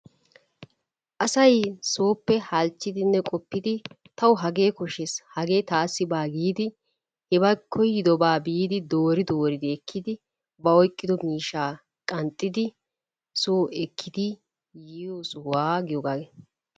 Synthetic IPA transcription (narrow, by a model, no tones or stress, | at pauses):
ʔɐsɐjso̞ːpːɛhɐlt͡ʃːɪd̪ɪnːɛkʼɔpːɪd̪ɪ | t̪ɐwʊɦɐɡe̞ːkɔʃɛshɐɡe̞ːt̪aːsːɪbaːɡiːd̪ɪ | hɛbɐkʰːɔjɪd̪ɔbaːbiːd̪ɪd̪oːɾɪd̪oːɾɪd̪ɪɛkʰːɪd̪ɪ | bɐɔjkʼːɪd̪ɔmiːʃaː | kʼɐnt̪ʼːɪd̪ɪ | soːɛkʰːɪd̪ɪ | jioːsʊwaːɡɪjɔɡaːɡɛ